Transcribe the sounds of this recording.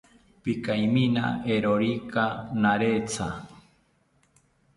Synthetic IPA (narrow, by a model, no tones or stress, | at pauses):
pikajmina̰eɾoɾikanaɾet͡sa